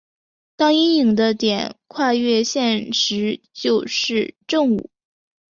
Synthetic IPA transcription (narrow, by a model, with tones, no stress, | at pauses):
t̪ɑ˥ŋi˥ni˨˩ŋd̪ə˦t̪jɛ˨˩˦nkʰwa˥˧ɥɛ˥˧ɕjɛ˥˩nʂɻ̩˧˥t͡ɕjo˥˧ʊʂɻ̩˥˧ʈ͡ʂɤ˥˧ŋṵ˨˩˦